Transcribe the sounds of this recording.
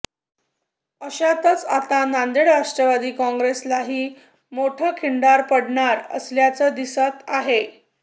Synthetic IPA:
əɕat̪ət͡sat̪anand̪eɽɾaʂʈɾəʋad̪iːkɔ̃ŋɡɾeslaɦiː | moʈʰəkʰiɳɖaɾpəɽɳaɾə̰sljat͡səd̪isət̪aɦe

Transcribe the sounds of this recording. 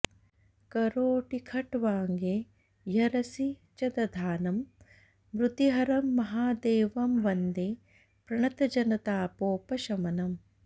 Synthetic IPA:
kɐɾoːʈikʰɐʈʋaːŋɡeː | jɐɾɐsit͡ʃɐd̪ɐd̪ʱaːnɐm | mɾut̪iɦɐɾɐmːɐɦaːd̪eːʋɐmʋɐnd̪eː | pɾɐɳɐt̪ɐd͡ʒɐnɐt̪aːpoːpɐʃɐmɐnɐm

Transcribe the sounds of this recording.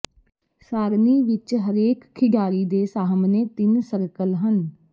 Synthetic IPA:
saːɾniːʋɪt͡ʃɦəɾeːkkʰːɪɖaːɾiːd̪eːsaːɦəmneːt̪ɪnsəɾkəlɦən

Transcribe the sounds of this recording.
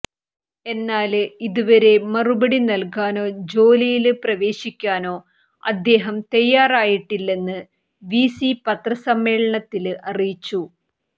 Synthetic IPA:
e̞nːaːlɨiðuʋɐɾe̞mɐrubɐɽinɐlkaːno̞ːd͡ʑo̞ːlijilɨprɐʋe̞ːɕikʲːaːno̞ː | ɐd̪ːe̞ːɦɐmt̪ɐjːaːraːjiʈːilːe̞nːɨ | ʋiːsipɐt̪rɐsɐmːe̞ːɭɐɳɐt̪ːilɨʔɐrijit͡ɕːu

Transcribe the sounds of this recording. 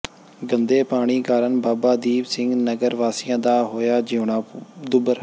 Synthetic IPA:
ɡənd̪eːpaːɽ̃iːkaːɾənbaːbaːd̪iːbsɪ̃ŋɡnəɡəɾʋaːsɪjãːd̪aːɦoːjaːd͡ʒeːɳaːd̪ʊbəɾ

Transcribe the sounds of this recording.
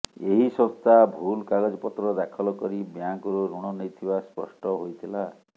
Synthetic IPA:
eɦisɔst̪abʱulkaɡɔd͡ʒɔpɔt̪ɾɔd̪akʰɔlɔkɔɾibjaŋkɔɾuɾuɽ̃ɔnet̪ʰibaspɔ̰sʈɔɦojt̪ʰila

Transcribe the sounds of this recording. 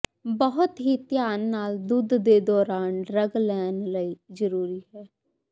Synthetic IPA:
bəɦʊt̪ɦiːt̪ɪjaːnːaːld̪ud̪ːeːd̪ɔːɾaːnɾəɡlɛːnləiːzəɾuːɾiːɦɛː

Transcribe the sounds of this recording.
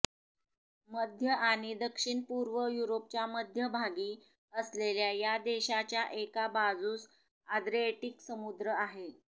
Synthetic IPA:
məd̪ʱjəʔaɽ̃id̪əkʂiɳpuɾʋəjuɾop̚t͡ɕjaməd̪ʱjəbʱaɡiː | əsleljajad̪eɕat͡ɕjaʔekabad͡zuːs | ad̪ɾieʈiksəmud̪ɾəaɦe

